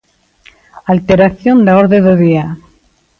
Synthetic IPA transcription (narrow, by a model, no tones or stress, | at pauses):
alt̪eɾaθjond̪aoɾðeðoðia